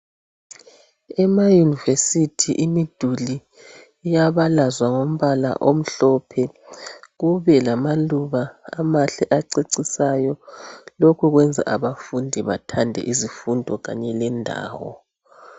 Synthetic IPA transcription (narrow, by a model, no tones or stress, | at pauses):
ɛmajunivesitʰiʔimid̥ʱuli | jaβalazwaŋom̩βala̰ʔom̩ɬɔpʰɛ | ɣuβɛlamaluβaa̰maɬɛʔaǀeǀisajɔlokʰuɣwɛnd͡zʱa̰ʔaβafundʱiβa̰tʰandʱɛ̰ʔizifundʱɔɣa̰ɲɛlɛndʱa̰ːwɔ̰